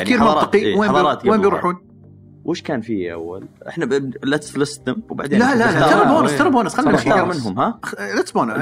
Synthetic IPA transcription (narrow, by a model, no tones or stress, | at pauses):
ʕkiːɾmmʊnɾˤɑɨ̥qiweːɑðjɾˤɑːt̪weːmbjɾˤuːħuːn | wʔɪʃkaːnfiːʔa̰wːa̰lʔɪ̰ħnalat̪slast̪ʊmwba̰ʕd̪eːlalat̪ːɑɾˤboːnat̪ɑɾˤboːnasxalːixɑːɑɾˤmɪnɦʊmhalat̪sboːna